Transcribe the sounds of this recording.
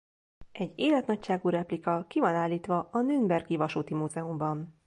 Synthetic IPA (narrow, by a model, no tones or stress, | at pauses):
ʔɛɟːeːlɛt̪nɒcʃaːɡuːɾɛplikɒkivɒnaːlːiːt̪ʋɒɒnynbɛrɡivɒʃuːt̪imuzɛumbɒn